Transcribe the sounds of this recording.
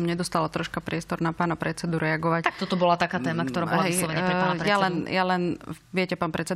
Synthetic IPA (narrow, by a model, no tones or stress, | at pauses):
ɔmɲɛd̪ɔst̪alat̪ɾɔʃkapɾɪɛst̪ɔɾnapaːnapɾɛt͡sɛd̪uɾʔɛaɡɔʋact̪akt̪ɔt̪ɔbɔlat̪akaːt̪ɛːmakt̪ɔɾaːɔlaɦɛijslɔʋɛɲɾɛanɾjalɛnjalɛnʋɪɛcɛpaːnpɾɛt͡sɛd̪